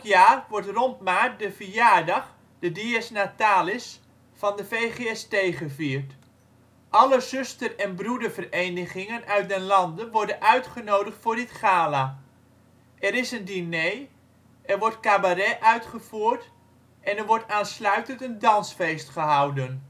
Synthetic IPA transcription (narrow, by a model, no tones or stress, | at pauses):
kjaːrʋɔɹtrɔntmaːrdəfəjaːɹdɑχ | d̥ədeɛsnataːlɪs | fɑndəfejχeɛstejχəviːɹt | ʔɑləzʏstərɛnbrudəɹvərejnəχɪŋənʔœɥt̚dənlɑndənʋɔɹdənʔœɥtχənowdəχtfʊːɹdɪtχaːla | ʔɛɾɪsəndinej | ɛrʋɔɹtkabaɾɛʔœɥtχəv̥uːɹt | ɛnɛɹʋɔɹtaːnslœɥtəntəndɑnsfejstχəɦɑwdən